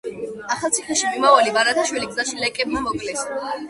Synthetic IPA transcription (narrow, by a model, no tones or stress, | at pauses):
aχalˠtsʰiχɛʃimimavalivaɾat̪ʰaʃwiliɡzaʃilɛkʼɛbmamɔkʼlɛs